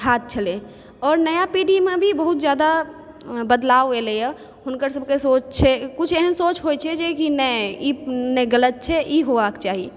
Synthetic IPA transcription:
ɦaːt̪̚t͡ʃʰəle | ɔːɾnəjapiɖimebʱibəɦut̪d͡ʒjad̪a | bəd̪laːʋelejə | ɦʊnkəɾsəb̚ʱkesot͡ʃt͡ʃʰɛkʊt͡ʃʰeɦənsot͡ʃɦojt͡ʃʰɛd͡ʒekinəinɛɡələt̪̚t͡ʃʰɛʔiɦoʋakt͡ʃaːɦi

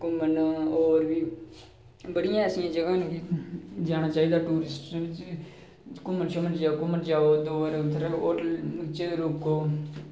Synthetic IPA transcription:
kʊmənoːɾbiː | bəɽɪjãːəsijãːd͡ʒəɡaːnːkid͡ʒaːnaːt͡ʃaːɦid̪aːʈuːɾɪsʈːt͡ʃ | kʊmənt͡ʃʰomənd͡ʒaːokʊmənd͡ʒaːoːd̪oːɾt̪ʰɾaoːʈəlt͡ʃeːɾoːkːoː

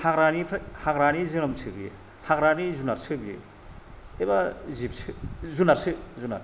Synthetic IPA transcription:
haɡɾanipʰhaɡɾanizɯñɐmt͡ʃʰɯbijḛ | haɡɾanizunaɾt͡sʰɯbjḛ | ebazip̚t͡ʃʰɯzunaɾsʰɯzuna̰ɾ

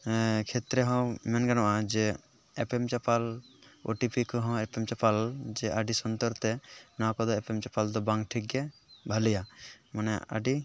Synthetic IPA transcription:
kʰɛt̪ɾɛɦɔ̃mɛnɡanɔʔad͡ʒɛ | ɛpɛmt͡ʃapalo̰ʈipikɔɦɔ̃ɛpɛmt͡ʃapald͡ʒɛʔaɖisɔnt̪ɔɾt̪ɛnakɔd̪ɔɛpɛmt͡ʃapald̪ɔbãŋɡʈʰik̚ɡɛbʱalɛjamanɛa̰ɖi

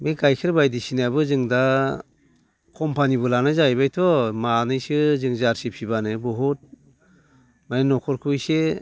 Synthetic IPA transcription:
bejkajkʰɯɾbajdisinabɯzɯŋda | kʰɔmpanibɯlanajzajbajtʰɔmanɯjsɯzɯŋzaɾsipʰibanɯbɔɦut̚ | majinɔkʰɔɾkʰujse

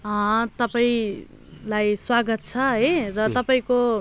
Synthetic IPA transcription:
ʌ̃t̪ʌpaĩ | lajswaɡʌt̪̚t͡sʰʌɦʌjrʌt̪ʌpaĩko

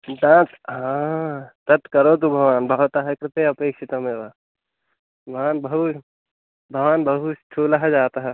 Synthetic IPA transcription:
d̪ãːt͡s | ɦãːt̪ɐt̪kɐɾoːt̪̬ũbʱɐʋaːnbʱaʋt̪aɦɛkɾɪt̪eɐpeːkʃʰit̪ɐmẽːba | bʱaːnbɐɦu | bʱɐʋaːnbɐɦusʈʰuːlaɦɛd͡ʒaːt̪aɦɛ

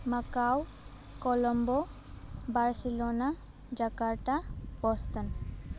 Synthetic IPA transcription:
makaw | kɔlɔmbɔ | baɹsilɔna | d͡ʒakaɹtab̥ɔst̪an

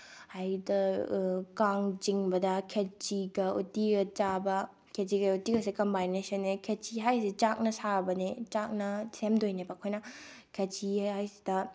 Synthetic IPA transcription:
hajdɐ | kaŋt͡ʃiŋbɐdɐkʰet͡ʃiɡɐutiɡɐt͡ʃabɐ | kʰet͡ʃiɡɐutiɡɐsikɐmbajnesɐnːekʰet͡ʃiɦajsit͡ʃak̚nɐsabɐnet͡ʃak̚nɐsʰemdojnepakʰojnɐ | kʰet͡ʃihajsi̥d̥ɐ

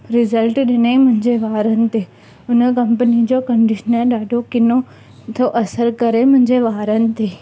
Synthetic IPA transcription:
ɾɪzəlʈɗɪnemʊ̃ɦɪ̃ɲd͡ʑeʋaːɾənɪ̆t̪e | ʊnəkɐ̃mpənid͡ʑokɐɳɖɪʃənəɗaːɖʱokɪno | t̪ʰoʔɐsəɾkɐɾemʊ̃ɦɪ̃ɲd͡ʑeʋaːɾənɪ̆t̪eː

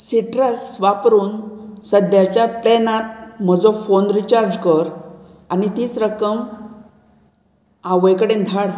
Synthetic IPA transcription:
siʈɾəsʋapɾuːnsəd̪jat͡ɕjapɾɛnat̪̚m̤əd͡zɔfonɾit͡ɕaɾd͡ʑkəɾ | anit̪iːt͡sɾəkəm | aʋəjkəɽẽnd̪ʱaɽ

